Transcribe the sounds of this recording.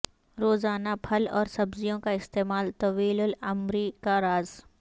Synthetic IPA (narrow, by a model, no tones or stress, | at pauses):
ɾoːzaːnapʰɐlɔːɾsɐbzijõkaɪst̪eːmaːlt̪ɐʋiːlʊlɐmɾikaɾaːz